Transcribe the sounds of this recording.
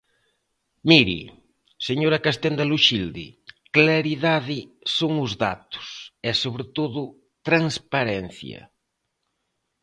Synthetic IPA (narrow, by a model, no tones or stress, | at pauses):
miɾḭ | seɲoɾɐkast̪end̪aluʃild̪ḭklaɾiðaðɪ | soŋʊzða̰t̪ʊ̥sɛsoβɾet̪oðʊ | t̪ɾaŋspaɾɛn̟θjɐ̰